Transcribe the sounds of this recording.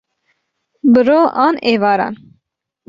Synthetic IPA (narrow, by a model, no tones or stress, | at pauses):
bɨɾoːʔɑːneːvɑːɾɑ̰n